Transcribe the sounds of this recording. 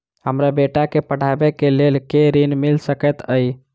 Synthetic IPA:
həmɾabeʈakepəɽ̤abekelelkeɾinmilsəkɛt̪əj

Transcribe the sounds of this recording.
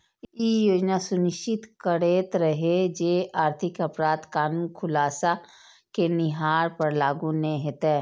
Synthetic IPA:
ijoːd͡ʒnasʊnɪʃt͡ʃɪt̪kəɾeːt̪ɾəɦed͡ʒeːaːɾt̪ʰɪkɐpɾaːd̪kaːnuːnkʰʊlaːsa | kenɪɦaːɾpɐɾlaːɡũnẽɦet̪eː

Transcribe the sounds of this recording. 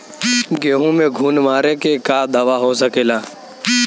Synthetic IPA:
ɡeːɦũmẽɡʱuːnmaːɾekekaːd̪ʱəʋaɦosəkeːlaː

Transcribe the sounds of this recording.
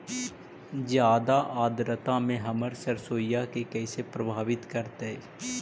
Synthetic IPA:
zjaːd̪aʔaːd̪ɾət̪ãmẽɦəməɾsəɾsoːjjakekɛːsepɾəbʱaːʋɪt̪kəɾt̪eɛ

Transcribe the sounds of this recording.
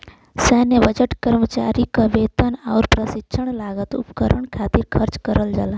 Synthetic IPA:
sɛːnəʋəd͡ʒəʈkəɾmət͡ʃa̰ːɾikəʋeːt̪ənaːɾpɾəsɪkːʃʰəɳ̃laːɡət̪ʊpkəɾəɳkʰaːt̪iɾkʰəɾt͡ʃkəɾəld͡ʒa̰laː

